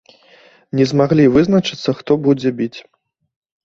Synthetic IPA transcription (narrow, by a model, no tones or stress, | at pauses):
nʲɛzmaɣlʲivɨznɐt͡ʂɨ̥t̪sːɐxt̪ɔbud͡zʲɛbʲit͡sʲ